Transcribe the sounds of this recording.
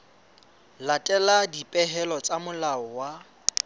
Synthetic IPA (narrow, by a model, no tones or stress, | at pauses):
latʼɛladipʼɛɦɛlɔt͡sʼamʊlaɔwa